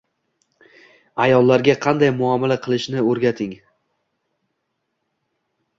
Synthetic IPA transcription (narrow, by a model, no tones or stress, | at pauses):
ajɒlˠːaɾɡʲaqʰɑnd̪ajmʊamalaqʰɨlˠɪʃnɪɵɾɡʲat̪ʰɪŋ